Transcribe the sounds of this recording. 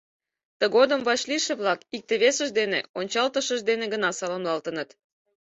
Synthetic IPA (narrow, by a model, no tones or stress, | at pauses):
t̪əɣod̪əmvɑt͡ɕliʃĕβlɑkik̚t̪eβesəʒd̪eneonʲt͡ɕɑlt̪əʃəʒd̪eneɡənɑsɑlomlɑlt̪ənət̪